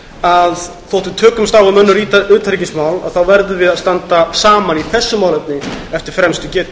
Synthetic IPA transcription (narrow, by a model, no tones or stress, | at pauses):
að | θowht̪ʏt̪ʰœːkʏmst̪aːwvamœnːʏɾiʏːt̪ʰaɾicɪsmaːwla̰ðθawvɛɾðʏvɪðaðst̪ant̪asaːmaniθɛsːʏmaːwlɛp̚nɪɛft̪ɪɾ̥fɾɛmst̪ʏcɛːt̪